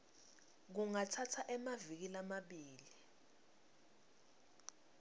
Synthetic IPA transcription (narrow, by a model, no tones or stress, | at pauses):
k̬uŋatʰatʰaʔɛmavik̬ilamaɓiːli